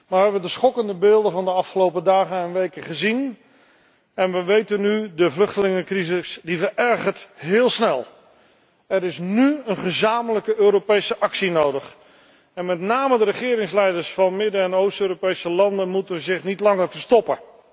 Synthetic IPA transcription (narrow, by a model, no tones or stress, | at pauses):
maːɹʋəɦɛbədəsχɔkəndəbɪːlˠdəvɑndəɑfχəlowpədaːχənɛnʋejkəχəzin | ɛnʋəʋejtənːydəvlɵχtəlɪŋəkrizɪsdivəɛɹχəɹtɦɪːlˠsnɛlˠ | ɛɾɪsnyənχəzaːmələkəʔøːɾopejsəʔɑksinowdəχ | ɛnmɛtnaːmədəɾəχɪːɾɪŋslɛjdəɹsfɑnmɪdəɛnowstøːɾopejsəlɑndənmutəʋəzɪχnitlɑŋəɹvəɹstɔpə